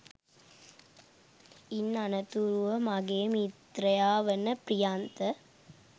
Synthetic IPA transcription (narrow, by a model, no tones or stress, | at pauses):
inːɐnɐt̪uɾuʋɐmɐɡeːmit̪ɾɐjaːʋɐnɐpɾijaːnt̪ɐ